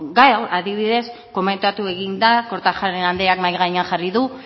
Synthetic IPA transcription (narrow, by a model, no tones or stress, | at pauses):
ɡajawaðiβiðe̞s | ko̞me̞nt̪at̪ue̞ɣind̪ako̞ɾt̪axaɾenand̪eakmajɣaɲaxariðu